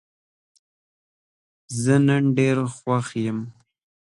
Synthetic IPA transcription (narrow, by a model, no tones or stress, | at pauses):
zənaɳɖeɾxwaxjəm